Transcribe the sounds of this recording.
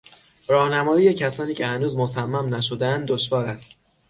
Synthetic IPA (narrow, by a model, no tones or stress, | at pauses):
ɾɒːhnæmɒːjiːjecʰæsɒːniːcʰehænuːzmosæmːæmnæʃo̞d̪eænd̪oʃvɒːɾæst̪